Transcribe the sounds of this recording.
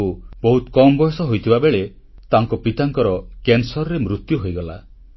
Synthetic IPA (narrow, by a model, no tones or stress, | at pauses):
ubɔɦut̪ɔkɔmbɔjɔsɔɦojt̪ʰibabeɭe | t̪aŋkɔpit̪aŋkɔɾɔkensɔɾɔɾemɾut̪juɦojɡɔla̰